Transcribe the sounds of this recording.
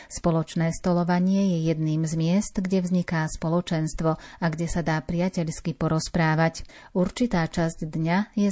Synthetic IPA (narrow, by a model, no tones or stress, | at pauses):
spɔlɔt͡ʃnɛːst̪ɔlɔʋaɲɪɛjɛjɛd̪niːmzmɪɛst̪ɡɟɛvzɲikaːspɔlɔt͡ʃɛnst̪ʋɔaɡɟɛsad̪aːpɾɪacɛʎskipɔɾɔspɾaːʋac | uɾt͡ʃit̪aːt͡ʃazɟd̪ɲajɛ